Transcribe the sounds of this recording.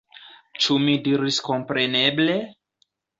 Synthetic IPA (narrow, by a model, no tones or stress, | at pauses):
t͡ʃʰumidiɾiskʰɔmpɾenɛble